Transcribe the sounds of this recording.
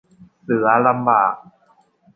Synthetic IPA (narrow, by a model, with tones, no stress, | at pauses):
sɯ˩˦ɐla˧mbaː˨˩k̚